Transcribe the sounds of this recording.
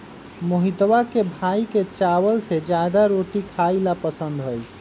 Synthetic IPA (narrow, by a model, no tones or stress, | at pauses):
moɦid̪ʋakebʱaiket͡ʃawəlsed͡ʒad̪aɾoʈikʰailapəsənd̪ɦəj